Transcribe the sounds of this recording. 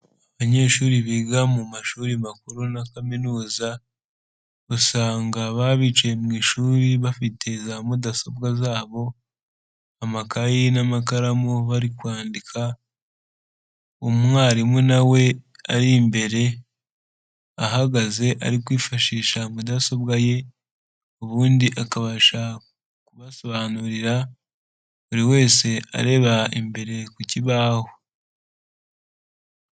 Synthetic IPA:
aβaɲe̞ːʃuːɾiβiɡamumaʃuːɾimakuɾunakaminuːza | ɡusaːŋɡaβaβit͡ʃemŋiːʃuːɾiβafitʰe̞zamudasobɡazaːβo̞ | amakajinamakaɾamuβaɾikwaːndikʰa | umŋaːɾimwenawe̞ | aɾimbe̞ɾe̞ | aɦaɡaze̞ʔa̰ɾikwiːfaʃiːʃamudaso̞βɡaje̞ | uβuːndiʔakaβaʃa | kuβaso̞βaːnuɾiɾa | βuɾiwe̞ːse̞a̰ɾe̞βaimbe̞ɾe̞kuciβaːho

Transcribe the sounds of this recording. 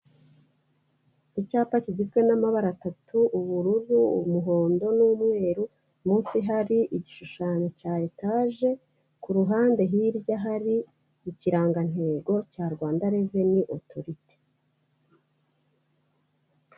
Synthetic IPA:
icaːpaciɟizɡwe̞namaβaɾatatuʔuβuɾuɾuṵmuɦo̞ːndo̞nuːmŋe̞ːɾu | muːnsiɦaɾiʔiɟiʃuʃaːɲo̞caːje̞taːʒe̞ | kuɾuɦaːnde̞ɦiɾɟaɦaɾiː | ciɾaːŋɡan̥he̞ːɡo̞caːɾɡwaːndaɾe̞ve̞niʔo̞tʰoɾite̥

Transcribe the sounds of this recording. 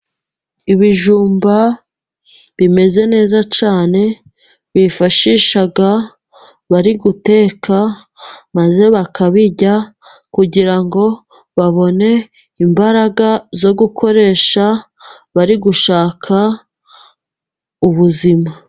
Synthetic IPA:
iβiʒuːmba | βime̞ze̞ne̞ːzat͡ʃaːne̞ | βifaʃiʃaɡa | βaɾiɡute̞ːkʰa | maze̞βakʰaβiɟa | kuɟiɾaŋɡo̞ | βaβo̞ne̞ | imbaɾaɡazo̞ɡukʰo̞ɾe̞ːʃa | βaɾiɡuʃaːkʰa | uβuzima

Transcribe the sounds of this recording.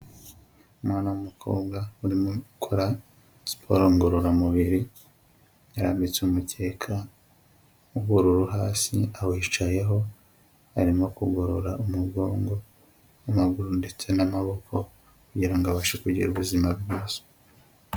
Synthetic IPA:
umwaːnamumukʰo̞̰ːbɡauɾimokʰoɾa | si̥pʰo̰ɾoŋɡoɾoɾamuβiɾi | jaɾaːmbit͡sumutʰe̞ːkʰa | uɡoɾuɾuɦaːsḭawiːt͡ʃaje̞ɦo̞ | aɾimo̞kuɡo̞ɾoɾaumuɡo̞ːŋɡo̞ | amaɡuɾunde̞t͡se̞namaβo̞kʰo̞ | kuɟiɾaŋɡaβaʃekuɟḭɾuβuzimaβɡoːso̥

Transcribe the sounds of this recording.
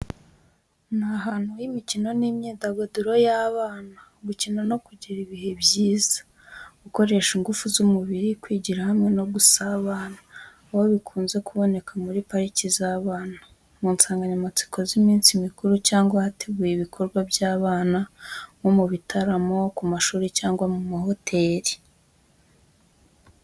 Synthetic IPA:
naɦaːn̥hujimicino̞nimɲeːdaɡoduɾo̞jaːβaːnaɡucinono̞kuɟiɾiβihe̞bjiːz̥ḁ | ɡuko̞ɾe̞ːʃiŋɡufuzumuβiɾikwiːɟiɾahamŋe̞no̞ɡusaβaːnaː | hoβikʰuːnze̞kuβo̞ne̞kʰamuɾipaɾicizaːβaːna | muːnsaːŋɡaɲamat͡si̥kʰo̞zimiːnsimikuɾucaːŋɡwahatʰe̞ɡujiβikʰo̞ɾɡwabjaːβaːnaŋomuβitʰaɾamo̞kumaʃuːɾecaːŋɡwamumaho̞tʰe̞ːɾi̥

